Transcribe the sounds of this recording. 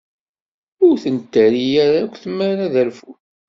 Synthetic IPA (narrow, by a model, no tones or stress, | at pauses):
ʊɾθənt̪ːæɾijæɾakʷθəmːənaðælfu